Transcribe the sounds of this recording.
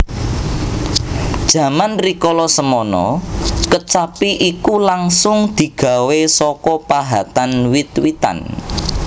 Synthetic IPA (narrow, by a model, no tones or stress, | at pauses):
d̥ʒ̥ä̤manrikɔlɔsəmɔnɔ̰kət͡ʃapiʔikulaŋsʊŋd̪̥i̤ɡ̥ä̤wesɔkɔpaɦat̪anwit̪wit̪a̰n